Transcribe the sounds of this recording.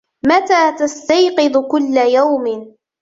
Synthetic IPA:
mat̪aːt̪ast̪ajqɨd̪ˤkʊlːajawmɪ

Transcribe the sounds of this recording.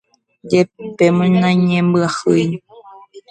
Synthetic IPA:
d͡ʒepemõnãɲẽmbɨahɨjɲ

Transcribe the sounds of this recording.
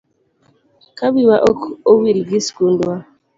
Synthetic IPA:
kabiwaʔɔkowiɾiɡiskundwa

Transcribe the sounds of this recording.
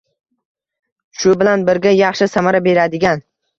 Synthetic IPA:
ʃʊbɪlanbɪɾɡʲajɑχʃɪsamaɾabe̞ɾad̪ɪɡʲan

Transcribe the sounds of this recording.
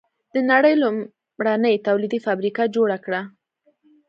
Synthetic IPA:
d̪̥ənaɽəjlʊm | ɽanəjt̪awlid̪ifabɾikad͡ʒoɽakɽa

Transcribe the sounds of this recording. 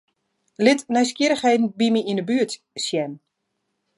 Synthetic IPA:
lɪtnɛjskiɾəxhejdn̩bimiinəbyət | sjɛn

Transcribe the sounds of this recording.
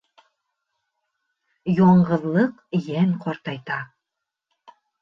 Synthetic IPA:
joɴɢɤ̆ðlˠɤq | jæŋqɒɾt̪ɑjt̪ɑ

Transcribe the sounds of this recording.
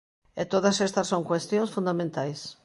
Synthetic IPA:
et̪oðɐsest̪ɐsːoŋkwest̪jõŋsfũnd̪amẽnt̪ajs

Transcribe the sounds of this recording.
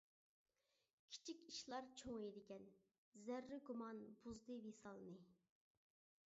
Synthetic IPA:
kʲʰi̥t͡ʃʰikʲiʃlˠɑɾt͡ʃʰoŋed̪ɪkʲɛn | zæɾːɪɡumɑnbuzd̪ɨvesɑlˠɨnɨ

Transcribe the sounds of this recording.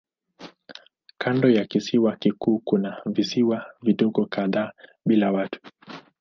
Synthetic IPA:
kʰandɔjakisiwakikuːkunavisiwaviɗɔɠɔkaðaː | ɓilawatʰu̥

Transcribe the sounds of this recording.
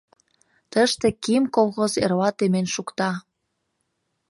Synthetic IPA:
t̪əʃt̪ekimkolˠxozerβɑt̪emenʃukt̪ɑ

